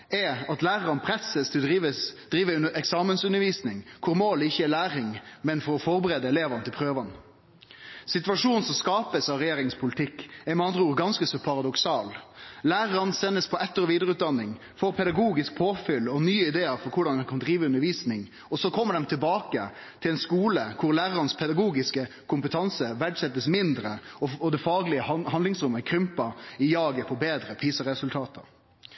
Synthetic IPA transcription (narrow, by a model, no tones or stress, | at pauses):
ɛɑt̪læːɾəɾɑnpʰɾɛsəst̪ʰɪld̪iʋəd̪̥ɾiːʋəɛksɑːmənsʉnːəɾʋiːsnɪŋkʰʊɾmoːlɪçːəɛlæːɾɪŋmɛnfɔɾɔfɔɾbəɾeːd̪əɛleːʋɑnət̪ʰɪlpʰɾøːʋɑn | sɪt̪ʉʋɑʂuːnn̩sɔmskɑːpəsɑɾɛjeːɾɪŋspʰʊlɪt̪ʰɪkːɛɾmɛɑnd̪ɾəuːɾɡɑnskəsɔpʰɑɾɑd̪ɔksɑːllæːɾəɾɑnsɛnːəspʰɔʔɛt̪ːəɾɔʋiːd̪əɾʉːt̪̚d̪ɑnːɪŋ | foːɾpʰɛd̪ɑɡuːɡɪsk̚pʰoːfʏlːɔnyːəɪd̪eːəɾfɔɾkʰʊɖɑnd̪ɛnkʰɑnd̪ɾiːʋəʉnːəɾʋiːsnɪŋ | ɔsɔkʰɔmːəɖɛmt̪ʰɪlbɑːkə | t̪ʰɪlɛɪnskuːləkʰʊɾlæːɾəɾɑnspʰɛd̪ɑɡuːɡɪskə | kʰʊmpət̪ʰɑnsəʋæɖsɛt̪ːəsmɪnd̪ɾəɔɔd̪ɛfɑːɡlɪəɦɑnd̪lɪŋsɾʊməkʰɾʏmpɑɪjɑːɡəpʰɔbeːd̪ɾəpʰiːsəɾɛsʉlt̪ʰɑːt̪ʰə̰ɾ